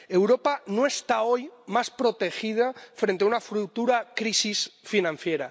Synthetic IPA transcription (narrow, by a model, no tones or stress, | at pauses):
e̞wɾopanoest̪aojmaspɾot̪e̞xið̞afɾent̪eaunafɾut̪uɾakɾisisfinãnθjeɾa̰